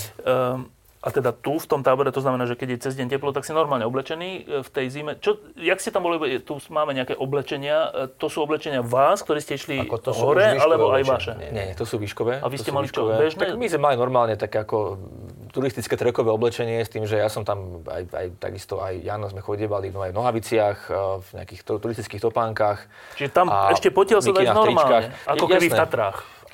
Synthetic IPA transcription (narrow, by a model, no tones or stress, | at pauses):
ʔat̪ɛd̪at̪uft̪ɔmt̪aːbɔɾɛt̪ɔznamɛnaːʒɛkɛɟjɛt͡sɛzɟɛɲcɛplɔt̪akscɛnɔɾmaːlɲɛɔblɛt͡ʃɛniːft̪ɛjzimɛt͡ʃɔjakscɛt̪ambɔliit̪umaːmɛɲɛakɛʔɔblɛt͡ʃɛɲɪat̪ɔsuːɔblɛt͡ʃɛɲɪaʋaːskt̪ɔɾiːscɛiʃliɦɔɾɛalɛbɔajʋaʃɛɛɲɛɲɛt̪ɔsuːʋiʃkɔʋɛːa̰ʋiscɛmalit͡ʃɔɔɛbɛʒnamizmɛmalinɔɾmaːlɲɛt̪akɛakɔ | t̪uɾist̪it͡skɛːt̪ɾɛkɔʋɛːɔblɛt͡ʃɛɲɪɛst̪iːmʒɛjasɔmt̪ama̰ja̰jt̪a̰ɡist̪ɔʔajjaːnɔzmɛxɔɟiɛʋalid̪ɔmajvnɔɦaʋit͡sɪaxvɲɛ̰a̰kixt̪t̪uɾist̪i̥t͡skiːxt̪ɔpaːŋkax | t͡ʃiʒɛt̪amaɛʃcɛpɔcɪalsɔdainɔɾimat͡ʃːlkaxɲɛakɔɛbifnɛt̪at̪ɾaːx